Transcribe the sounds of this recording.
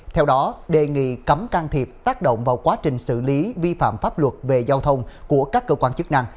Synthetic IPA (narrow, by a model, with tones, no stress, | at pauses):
t̪ʰɛ˧wɗɔ˨˦ɗe˨˩ŋḭ˧˨kə˨˦mka˧ŋt̪ʰi˨˩əp̚t̪aː˦˥k̚ɗo̰˧˨ŋ͡mvaː˨˩wkwaː˨˦t͡ɕï˨˩ŋ̟sɨ̰˧˩li˨˦vi˧fa̰ː˧˨mfaː˦˥p̚lwə˨˩t̚ve˨˩zaː˧wt̪ʰə˧wŋ͡mku˧˩əkaː˦˥kːəː˧kwaː˧nt͡ɕɨ˦˥k̚na˧ŋ